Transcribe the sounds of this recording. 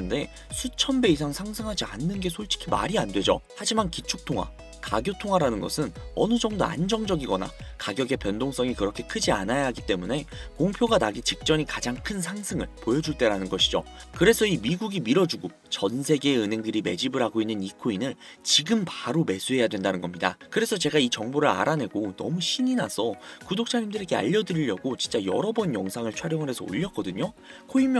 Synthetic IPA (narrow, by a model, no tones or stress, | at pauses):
nde̞ | sʰut͡ɕʰʌmbe̞is̬ʰaŋsʰaŋsʰɯŋɦad͡ʑia̰nːɯnɡe̞sʰoɭt͡ɕʰi̥kʰima̰ɾiandwe̞d͡ʑo̰had͡ʑimankit͡ɕʰuk̚tʰoŋwa̰ | kaɡjotʰoŋwaɾanɯnɡʌsʰɯnʌnɯd͡ʑʌŋdo̰a̰nd͡ʑʌŋd͡ʑʌɡiɡʌna̰kaɡjʌɡe̞pjʌndoŋs͈ʰʌŋikɯɾʌkʰe̞kʰɯd͡ʑianajaɦaɡit͈e̞mune̞koŋpʰjoɡanaɡit͡ɕik̚t͡ɕ͈ʌɲikad͡ʑaŋkʰɯnsʰaŋsʰɯŋɯ̰ɭpojʌd͡ʑuɭt͈e̞ɾanɯnɡʌɕʰid͡ʑo̰kɯɾe̞sʰʌimiɡuɡimiɾʌd͡ʑuɡo | t͡ɕʌnsʰe̞ɡe̞ːɯne̞ŋdɯɾime̞d͡ʑibɯɾɦaɡoinːɯnikʰoinɯn | t͡ɕiɡɯmpaɾome̞sʰuɦe̞jadwendanɯnɡʌmɲidakɯɾe̞sʰʌt͡ɕe̞ɡait͡ɕʌŋboɾɯɭa̰ɾane̞ɡonʌ̰muɕʰiɲinasʰʌkudok̚t͡ɕ͈ʰaɲimdɯɾe̞ɡe̞a̰ʎːʌdɯɾiʎːʌɡot͡ɕint͡ɕ͈ajʌɾʌbʌnjʌŋsʰaŋɯɭt͡ɕʰaɾjʌŋɯɾɦe̞sʰʌo̰ʎːʌk͈ʌdɯɲo | kʰoimj